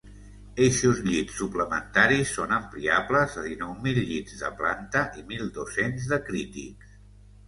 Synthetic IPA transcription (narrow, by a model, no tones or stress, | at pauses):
eʃuzʎitsːupləmənt̪aɾisːonəmpliapləzəðinɔwmilʎid̪zðə̰pla̰nt̪əʔimilˠd̪osenzðəkɾit̪ḭks